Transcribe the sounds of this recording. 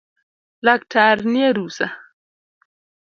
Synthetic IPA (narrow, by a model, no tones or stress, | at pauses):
lak̚tʰaɾnieɾusa